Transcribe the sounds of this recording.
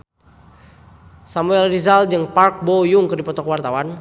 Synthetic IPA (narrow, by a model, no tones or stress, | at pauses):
samuɛlrizald͡ʒəŋpark̚bojʊŋkɨrdipɔt̪ɔkəwart̪awan